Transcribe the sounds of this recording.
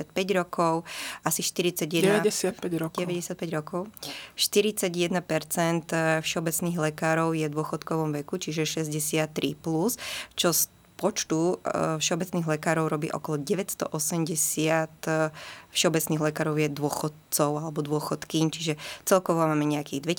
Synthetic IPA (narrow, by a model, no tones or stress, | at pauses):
at̪̚pɛɟɾɔkʰɔʊasiʃt̪iɾit͡saɟjɛd̪ɛɛɛsɪat̪̚pɛɟɾɔɟɛʋɛɟɛsɪat̪̚pɛɟɾɔkɔʊʃt̪iɾit͡saɟjɛd̪napɛɾt͡sɛnt̪fʃɛɔbɛt͡sniːɣlɛkaːɾɔʊjɛd̪ʊɔxɔt̪kɔʋɔmʋɛkut͡ʃiʒɛʃɛzɟɛsɪat̪ːɾʔḭplust͡ʃɔs | pɔt͡ʃt̪ufʃɛɔbɛt͡sniːɣlɛkaːɾɔʊɾɔbḭːʔɔ̰kɔlɔɟɛʋɛcst̪ɔ̰ʔɔsɛmɟɛsɪat̪ | fʃɛɔbɛt͡sniːɣlɛkaːɾɔʊjɛd̪ʊɔxɔt̪t͡sɔʊalɛbɔd̪ʊɔxɔt̪kiːɲt͡ʃiʒɛt͡sɛlkɔʋɔmaːmɛɲɛakiːɣd̪ʋɛ